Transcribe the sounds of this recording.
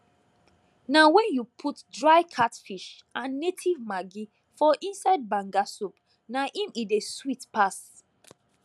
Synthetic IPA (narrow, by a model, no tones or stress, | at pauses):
nawɛ̃njupʰutdɹajkʰatfiʃ | ʔãnːetʰivmaɡi | fɔʔĩnsaɪd̚bãŋɡasop | naʔĩmideswitpas